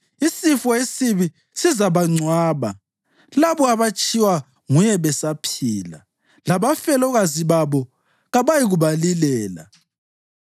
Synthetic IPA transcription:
isifɔesiβi | sizaβaŋ͡ǀwaːβa | laβɔaβat͡ʃʼiwa | ŋujɛβɛsapʰiːla̰ | laβafɛlɔɣaziβaβɔ | ɣaβajiɣuβalilɛːla̰

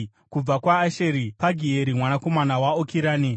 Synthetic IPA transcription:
kub͡vakwaːʃeɾipaɡʱieɾimwanako̞manawaokiɾaːni

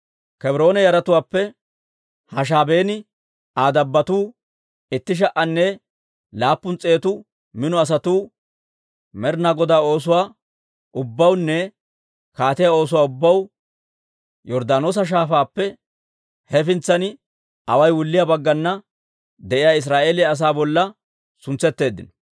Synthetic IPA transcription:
kɛbɾo̞ːnɛjɐɾɐt̪ʊwaːpːɛ | hɐʃ̬aːbe̞ːnɪ | aːd̪ɐbːɐt̪uː | ɪt̪ːɪʃ̬ɐʔɐnːɛ | laːpːʊnt͡sʼe̞ːt̪ʊ | mɪnɔɐs̬ɐt̪uː | mɛɾnaːɡɔd̪aːo̞ːs̬ʊwaː | ʔʊbːɐwnːɛ | kaːt̪ɪjao̞ːs̬ʊwaːʊbːɐw | jɔɾd̪aːno̞ːs̬ɐʃ̬aːfaːpːɛ | hɛfɪnt͡sːɐnɪ | ɐwɐjwʊlːɪjaːbɐɡːɐnːɐ | d̪ɛʔɪjaːɪs̬ɾaːʔe̞ːlɪjɐs̬aːbɔlːɐ | sʊnt͡sːɛt̪ːe̞ːd̪ːɪ̰nɔ̥

